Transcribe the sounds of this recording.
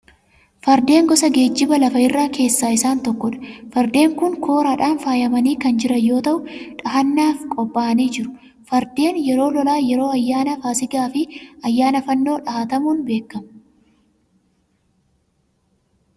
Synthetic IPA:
fɐɾd̪e̞ːŋɡɔsɐɡe̞ːd͡ʒːɪbɐlɐfɐɪrːaːke̞ːsːaːɪsaːnt̪ɔkːɔᶑɐ̥fɐɾd̪e̞ːŋkʊŋkʰo̞ːɾaᶑaːnfaːjɐmɐniːkɐnd͡ʒɪɾɐjo̞ːt̪ɐʔʊᶑɐɦɐnːaːfkʼɔbːaːɐniːd͡ʒɪɾʊ̥ | fɐɾd̪e̞ːnjɛɾo̞ːlɔlaːjɛɾo̞ːɐjːaːnɐfaːsɪɡaːfɪɐjːaːnɐfɐnːo̞ːᶑɐhɐt̪ɐmuːnbe̞ːkːɐmɐ̥

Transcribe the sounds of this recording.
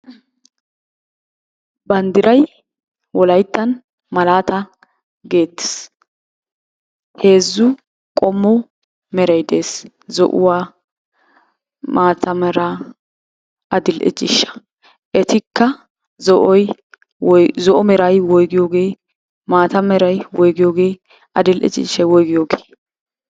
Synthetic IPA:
bɐnd̪ɪɾɐj | wɔlɐjt̪ːɐn | mɐlaːt̪ɐ | ɡe̞ːt̪ːɪ̥s | he̞ːzːʊ | kʼɔmːɔ | mɛɾɐjd̪e̞ːs | zɔ̰ʔʊ̰waː | maːt̪ʰɐmɛɾa | ɐd̪ɪlʔɪ̰d͡ʒʼɪ̰ʃːɐ̥ | ʔɛt̪ɪkːɐ | zɔʔɔj | zɔʔɔmɛɾɐjwɔjɡɪjoːɡeː | maːt̪ɐmɛɾɐjwɔjɡɪjoːɡe̞ː | ɐd̪ɪlʔɛ̰t͡ʃɪ̰ʃɐjwɔjɡɪjoːɡe̥ː

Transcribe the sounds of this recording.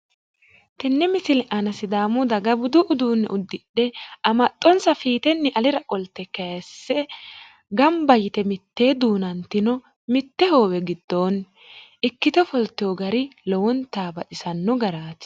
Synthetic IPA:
t̪ɛnːɛmɪsɪlɛʔɐnɐsɪd̪aːmʊd̪ɐɡɐbʊd̪ʊʔʊd̪uːnːɛ̰ʔʊd̪ːɪɗɛʔɐmɐt̪ʼːɔnsɐfiːt̪ɛnːɪʔɐlɪɾɐʔʼɔlt̪ːɛkɐjɐsːɛ | ɡɐmbɐjɪt̪ɛmɪt̪ːe̞ːd̪uːnɐnt̪ːɪnɔ | mɪt̪ːɛho̞ːwɛɡɪd̪ːoːn | ʔɪkːɪt̪ɛfɔlt̪ːɪoːɡɐɾɪlɔwɔnt̪aːbɐʔɪsɐnːɔɡɐɾaːt̪

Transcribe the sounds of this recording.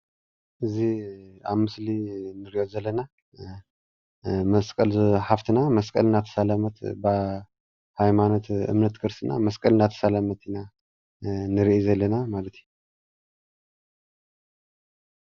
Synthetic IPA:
ʔɨzia̰βmɨslinɨɾiʔozɐlːɐna | mɐskʼɐlħaft̪ʰinamɐskʼɐ̰lnat̪ʰɐ̥salamɐt̪bɨ | hajmano̞t̪ɨ̰mnɐt̪kʰɨɾsɨna̰mɐskʼɐlnat̪ʰɐ̥salamɐt̪ʰina | nɨɾiʔizɐlːɐnamalɐt̪ju

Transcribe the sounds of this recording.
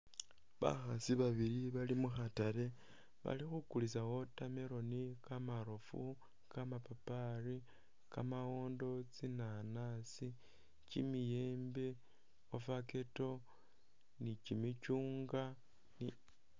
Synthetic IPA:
βa̰xasiβaβiɾiβalimuxataɾe̞ | βa̰lixukulisawo̞tame̞ɾo̞nikamaɾofṵ | kamapapari | kamawo̞ːndo̞t͡sinanasi | cimijeːmbe | ofake̞to̞ | nicimicuːŋɡa | ni

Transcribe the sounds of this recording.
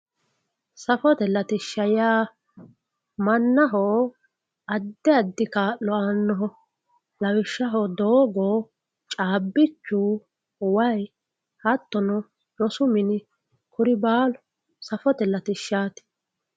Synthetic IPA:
sɐfɔt̪ɛlɐt̪ɪʃːɐjaː | mɐnːɐɦoː | ɐd̪ːɛɐd̪ːɪkaːʔlɔanːɔɦɔ | lɐwɪʃːɐɦoːd̪oːɡoː | t͡ʃʼaːbːɪt͡ʃːuː | wɐj | hɐt̪ːɔnɔ | lɔsʊmɪnɪ | kʊɾɪbaːlɔ̥ | sɐfɔt̪ɛlɐt̪ɪʃːaːt̪ɪ̥

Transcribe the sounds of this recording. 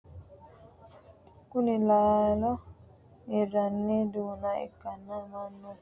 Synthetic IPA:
kunilalɔ | iɾanːidunaḭkanːamanːu

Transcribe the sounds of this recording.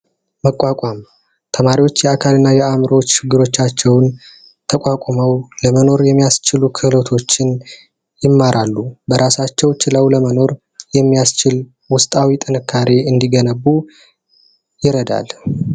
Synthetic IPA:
məkʼːakʼam | t̪ʰəmaɾiwo̞t͡ʃːjɛakʰalɨnːajɛamɾəwot͡ʃːt͡ʃɪɡːɨɾo̞t͡ʃːat͡ʃːɛwn | t̪ʰəkʷʼakʷʼoməwləməno̞ɾjɛmːijast͡ʃɪlukʰɨhlot̪ʰo̞t͡ʃːɪn | jɪmːaɾʔalːubəɾʔasat͡ʃːɛwt͡ʃɪləwləməno̞ɾ | jɛmːijast͡ʃɪl | wʊst̪ʼawit̪ʼɨnɨkʰːaɾe̞ɨnd̪iɡənəβːu | jɪɾəd̪a̰l

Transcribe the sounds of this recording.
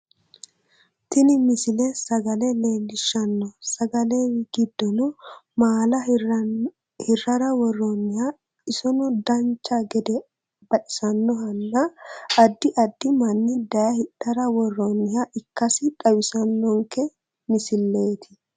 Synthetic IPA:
t̪ɪnɪmɪsɪlɛsɐɡɐlɛleːlːɪʃːɐnːɔsɐɡɐlewɪɡɪd̪ːɔnʊmaːlɐ | hɪrːɐɾɐwɔrːɔnːɪha | ɪsɔnɔd̪ɐnt͡ʃːɐɡɛd̪ɛ | bɐᶑɪ̥sɐnːɔɦɐnːɐːd̪ːɪʔɐd̪ːɪmɐnːɪd̪ɐjɐhɪᶑːɐɾɐwɔrːɔnːɪhaʔɪkːɐsɪᶑɐwɪsɐnːɔŋkɛ | mɪsɪlːe̞ːt̪ɪ̥

